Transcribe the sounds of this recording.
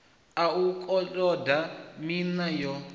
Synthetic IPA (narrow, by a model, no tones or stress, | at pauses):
aukʼɔlʼɔdaminajɔ